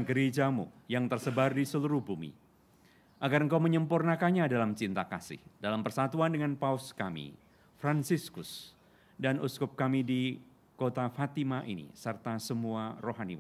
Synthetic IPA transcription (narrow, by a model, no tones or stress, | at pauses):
ɡəɾed͡ʒamṵjaŋt̪ərsəbardisəluɾuhbumḭ | ʔaɡarəŋkawməɲəmpurnakanɲadalamt͡ʃint̪akasɪ̰hdalampərsat̪uandəŋanpauskamḭ | fɾansiskʊs | danuskʊp̚kamidi | kot̪afat̪imaʔḭnḭsərt̪asəmuaroɦanḭwa